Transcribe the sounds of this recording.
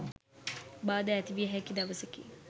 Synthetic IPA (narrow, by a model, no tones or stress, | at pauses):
baːd̪əːt̪iʋiəɦɛkid̪aʋəsekḭ